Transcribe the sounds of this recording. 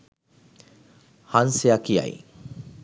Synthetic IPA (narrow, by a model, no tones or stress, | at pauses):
hansejakia̰j